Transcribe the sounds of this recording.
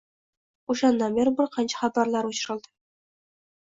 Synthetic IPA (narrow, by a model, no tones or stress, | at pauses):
uʃɑnːɑbɘɾbɪɾqɑnɕɑ̥χɑbɑɾlˠɑɾuɕɾɤ̆lˠd̪ə